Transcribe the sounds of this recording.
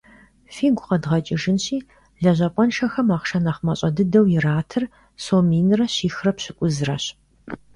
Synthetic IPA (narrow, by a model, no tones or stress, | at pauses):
fiːɡʷʊqɐdʁɐt͡ʃʼɪʒɨnɕiː | ɮɐʑʷɐpʷʼɔnʃɐxɐmaːχʃɐnɐχmɐɕʼɐdɨdɐwjɪraːtʰɨr | soːmiːnɨrɐɕiːxrɐpɕɪkʷʼʊzɨrɐɕ